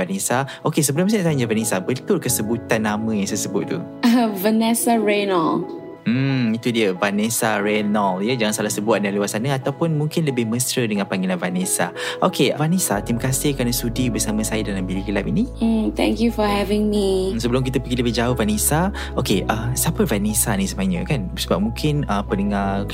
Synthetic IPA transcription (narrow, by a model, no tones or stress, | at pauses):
vanesa | okes̬əbəlʊmsat̪aɲd͡ʒəvanesabət̪ʊlkəsəbut̪anːamə̃jaŋsajsəbʊt̪̚t̪ːṵ | vənɛsaɹenɔl | m̩it̪udiəvanesarenɔljəd͡ʒaŋansalahsəbuaʔ̚dalewat̚sanəat̪awpʊnmuŋkɪnləbɪhmə̃sɾədəŋãnpaŋilanvanesa̰ʔokʰevanesat̪imakasɪhkanəsudibəsamə̃sajədalambilikəlapinit̪ɛ̰̃ŋkjufɔhɛvɪ̃ŋmisəbəlʊmk̬it̪əpəɡiləbɪhd͡ʒaʊhvanesa | okeʔəsapəvanesanisəmaɲə̃kan | səbap̚mũŋkʰɪnəpənəŋa